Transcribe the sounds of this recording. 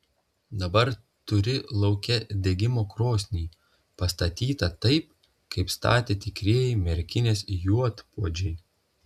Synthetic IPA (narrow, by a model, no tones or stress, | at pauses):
d̪ɐbɐɾ | t̪ʊɾʲɪlˠɒʊkʲɛd̪ʲeɡʲɪmoːkɾoːsʲnʲiː | pɐst̪ɐt̪ʲiːt̪ɐt̪ɐɪp̚ | kɐɪpst̪ɑ̰ːt̪ʲeːt̪ʲɪkɾʲeːjɛɪmʲɛɾʲkʲɪnʲeːsjuɔt̪puɔd͡ʒʲɛɪ